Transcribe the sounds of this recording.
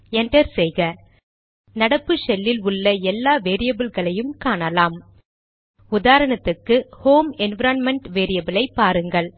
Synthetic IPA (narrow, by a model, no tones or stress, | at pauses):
ɛɳɖɐɾsɛjɣɐ | nɐɽɐpːɯsɛlːɪlʊɭːɐɛlːaːʋeːɾɪjɐbɪlɣɐɭɐjɯmkaːɳɐlaːm | ʊðaːɾɐɳɐt̪ːɯkːɯhoːmɛnʋɐɾɐnmɛɳʈʋeːɾɪjɐbɪlɐɪpːaːɾɯŋɡɐɭ